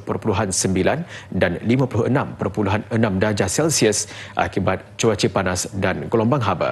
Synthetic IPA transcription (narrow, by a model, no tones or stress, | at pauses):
pərpuluɦansəmbilandanlimãpluənãmpərpuluɦanənãmdad͡ʒasɛlsiəsʔa̰kibat̪̚t͡ʃuwat͡ʃipanasdanɡəlɔmbaŋɦaba̰